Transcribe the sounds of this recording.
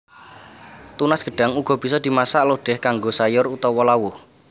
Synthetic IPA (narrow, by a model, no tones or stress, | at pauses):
t̪unasɡ̥ə̤ɖ̥a̤ŋuɡ̥ɔ̤b̥i̤sɔd̪̥i̤masaʔloɖ̥ɛhkaŋɡosajʊrut̪ɔwɔlawʊh